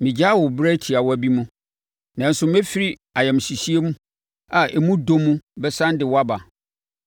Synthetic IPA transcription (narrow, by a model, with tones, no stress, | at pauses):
mĩ˨d͡ʑa˦wʊ˨bɾæ˦tʰi˨a˨wɔ˦æ˨bi˦mũ˦ | nã˨n̩˦sʊ˦m˦ɛ˦fi˦ɾi˦ | a˨jɛ˨m̃˨si˨si˦e˦mũ˦ | a˨ʔɛ˨mũ˦do˦mũ˦bɛ˦sã˦n˦dɪ˨wɔ˦a˦ba˨